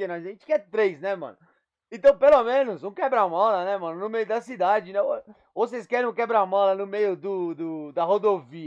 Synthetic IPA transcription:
enɔjzaʒẽt͡ʃɪ̥kɛɾt̪ɾejsnɛmɐ̰̃nʊ | ẽt̪ɐ̃w̃pelomẽnʊzũkɛbɾamɔlɐnɛmɐ̃nʊnʊmejʊd̪ɐsid̪ad͡ʒɪnɛo | vos̬ejskɛɾẽw̃kɛbɾamɔlɐnʊmejʊd̪ʊd̪ʊd̪ɐhod̪oviɐ

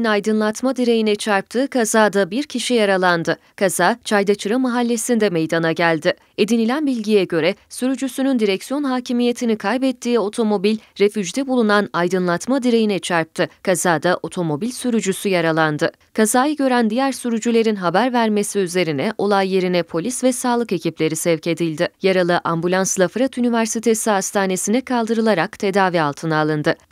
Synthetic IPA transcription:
najd̪ɯnlˠat̪mad̪iɾe̞jinɛt͡ʃʰaɾp̚t̪ʰɯːkʰazaːd̪abiɾcʰiʃijaɾalˠand̪ɯ | kʰazaːt͡ʃʰajd̪at͡ʃʰɯɾamaɦalʲːe̞sind̪ɛme̞jd̪anaɟælʲd̪ɪ | e̞d̪inilʲænbilʲɟijɛɟø̞ɾɛsyɾyd͡ʒysynynd̪iɾɛcsijo̞nɦaːcʰimije̞t̪ʰinikʰajbɛt̪ʰːiːo̞t̪ʰo̞mo̞bilʲɾe̞fyd͡ʒd̪ɛbulˠunanajd̪ɯnlˠat̪mad̪iɾe̞jinɛt͡ʃʰaɾp̚t̪ʰɯkʰazaːd̪aʔo̞t̪ʰo̞mo̞bilʲsyɾyd͡ʒysyjaɾalˠand̪ɯ | kʰazaːjɯɟø̞ɾænd̪ijæɾsyɾyd͡ʒylʲe̞ɾinɦabæɾvæɾme̞siyze̞ɾinɛʔo̞lˠajːe̞ɾinɛpʰo̞lʲisvɛsaːlˠɯke̞cʰiplʲe̞ɾisɛvce̞d̪ilʲd̪ɪjaɾalˠɯʔambulʲanslˠafɾat̪ynivæɾsit̪ʰe̞siɦast̪ʰaːne̞sinɛkʰalˠd̪ɯɾɯlˠaɾakt̪ʰe̞d̪aːvialˠt̪ʰɯnaːlˠɯnd̪ɯ

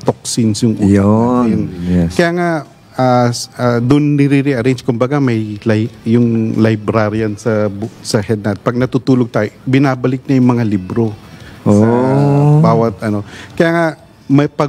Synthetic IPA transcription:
t̪ok̚sɪnsjʊŋʔuːlonɛkɐjaːŋa | ʔaad̪ʊnːɪɾiɾiʔɐɾɛjnd͡ʒkʊmbɐɡamɐjlajjʊŋlajbɾaɾjɐnsɐbsɐhɛd̪̚nat̪̚pɐɡ̚nɐt̪ut̪uːloɡ̚t̪aːjbɪnaːbɐlɪk̚nɐjʊŋmɐŋalibɾoʔosɐbaːwɐt̪ʔɐno̞kɐjaːŋa | mɐpɐ

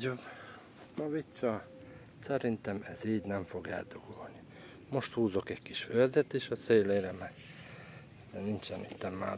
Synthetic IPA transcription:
ob | mɒvit̪sɒ | sɛɾint̪ɛmɛziːɟnɛɱfo̞ɡɛ̰ld̪oɡ̥olni | mo̞ʃt̪huːzo̞kɛɟkiʃføld̪ɛt̪eːʃɒseːleːɾɛmɛ | dɛnint͡ʃɛnit̪ːɛmːa̰ː

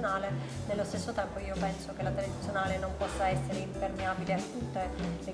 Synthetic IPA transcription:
naːle | nelːost̪esːot̪ɛmpoiːopɛnsok̟elat̪eleit̪sːjonaːlenompɔsːaɛsːeɾeimpermeaːbileat̪ːut̪ːele

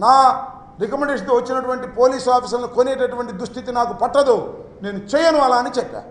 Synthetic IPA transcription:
naː | ɾikɐmɛɳɖeːʂɐnt̪oːʋɐt͡ʃːinɐʈuʋɐɳʈipo̞ːliːsaːpiːs̬ɐlnikoneːʈɐʈuʋɐɳʈid̪ɾuʂt̪ʰit̪inaːkupɐʈːɐd̪une̞ːnut͡ʃɛːjɐnuɐːlaːnit͡ʃɛkːa̰ː

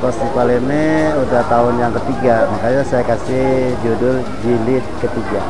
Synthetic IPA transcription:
pasipalenɛudaht̪aʊnjaŋkət̪iɡamakajasajakasɪd͡ʒudʊl | d͡ʒilɪt̪̚kət̪iɡa

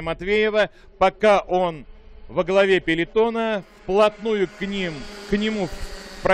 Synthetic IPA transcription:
mɐt̪vʲejɪvə | pɐkaʔo̞nvəɡlˠɐvʲepʲɪlʲɪt̪o̞nə | plˠɐt̪nujʊknʲimknʲɪmupɾ

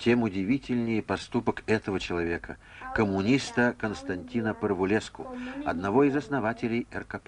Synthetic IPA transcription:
tʲemʊdʲɪvʲitʲɪlʲnʲɪjɪpɐst̪upəkɛt̪əvət͡ɕɪlˠɐvʲe̞kə | kəmːʊnʲist̪əkənst̪ɐnʲtʲinəpərvʊlʲeskʊɐ̰d̪nɐvoɪzɐsnɐvatʲɪlʲɪjɛrkɐp

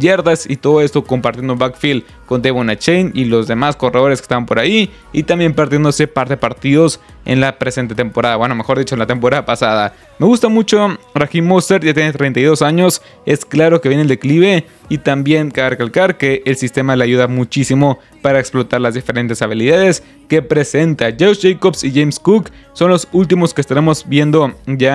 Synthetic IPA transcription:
je̞ɾðasit̪o̞ðo̞e̞st̪o̞ko̞mpaɾt̪jend̪bakfil | ko̞nd̪eβonat͡ʃejnilo̞zðe̞masko̞re̞ðo̞ɾeske̥st̪aβampo̞ɾai | it̪ambje̞mpeɾt̪jend̪ose̞paɾt̪e̞epaɾt̪iðo̞s | ḛnlapɾe̞se̞nt̪e̞t̪e̞mpo̞ɾaðaβwe̞no̞me̞xo̞ɾðit͡ʃoenlat̪e̞mpo̞ɾaðapasaða | me̞ɣust̪amut͡ʃo̞raximːost̪e̞ɾʝat̪jenet̪ɾe̞jnt̪ajðosaɲo̞s | e̞sklaɾo̞keβjeneld̪ekliβe̞ | it̪ambje̞ŋkaβerekalkaɾke̞ʔːlsist̪e̞maleaʝuðamut͡ʃisimo̞ | paɾaeksplo̞t̪aɾlazðife̞ɾe̞nt̪e̞saβ̞iliðaðe̞s | ke̞pɾe̞se̞nt̪aʝewsʝejkobsiʝejmskuk | so̞nlo̞sult̪̬imoskest̪aɾe̞mo̞zbje̞nd̪o̞ʝa

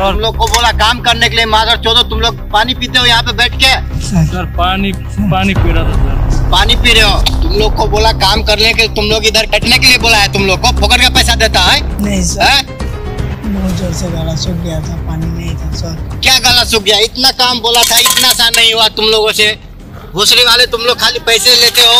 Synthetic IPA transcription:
ʊmloːɡ̚koboːlakaːmkɐɾnekeliemãːzəɾt͡ʃɔd̪ot̪ʊmloːɡ̚paːnipiːt̪eɦõjɐɦãpebɛːʈʰkesəɾpaːni | paːnipiːɾat̪ʰasəɾpaːnipiːɾeɦoːt̪ʊmloːɡ̚koboːlakaːmkɐɾneket̪ʊmloːɡɪd̪əɾkɐʈʰnekelieboːlaɦɛt̪ʊmloːɡ̚kopʰʊkəɾkapɛːsad̪eːt̪aɦɛ̃nɐɦĩsəɛ | md͡ʒəɾseɡalasʊk̚ɡɐjat̪ʰapaːninɐɦĩt̪ʰasəɾkjaːɡaːlasʊk̚ɡjaɪt̪nakaːmboːlat̪ʰaɪt̪nasanɐɦĩɦuat̪ʊmloːɡõse | ɦoːsɾiʋaːlet̪ʊmloːɡ̚kʰaːlipɛɪseleːt̪eɦoː

